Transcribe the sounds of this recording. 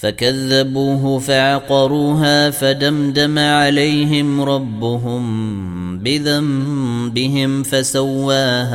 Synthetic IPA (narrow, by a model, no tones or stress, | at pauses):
fakaðːabuːɦʊfaʕɑqɑɾˤuːɦaːfad̪amd̪amaʕalajɦɪmɾˤɑbːʊɦʊm | bɪðambɪɦɪmfasawːaːhaː